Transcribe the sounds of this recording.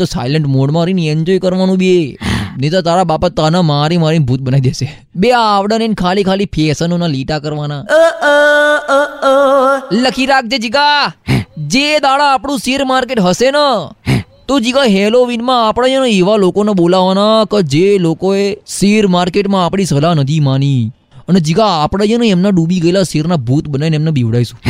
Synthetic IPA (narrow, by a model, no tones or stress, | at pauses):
t̪osa̰jləɳʈmoɽmãɾiniɛɲd͡ʒojkəɾʋanũbienet̪at̪aɾabapat̪ːanamaɾimaɾinbʱuːt̪̚bənaʋid̪ese | beaːʋɽənenkʰalikʰalipʰesənonaliʈakəɾʋana | ləkʰiɾak̚d͡ʒed͡ʒiɡa | d͡ʒed̪aɽaːpɽũsiɾmaɾkeʈɦəsenə | t̪od͡ʒiɡaɦeloʋinmãːpɽ̃ad͡ʒənə̃eʋalokoneɓolaʋanakəd͡ʒelokoesiɾmaɾkeʈmãːpɽ̃isəlanət̪ʰimani | əned͡ʒiɡaːpɽad͡ʒənə̃ɛmnaɖubiɡəelasiɾnabʱut̪bənainɛmnebiʋɽaisũ